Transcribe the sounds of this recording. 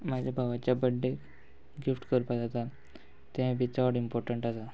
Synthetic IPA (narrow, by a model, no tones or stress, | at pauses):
mad͡ʑʱjabʱaʋat͡ɕjabəɖːe | ɡifʈkəɾpad͡zat̪a | t̪ːẽbit͡saʋəɽimpɔɾʈəɳʈasa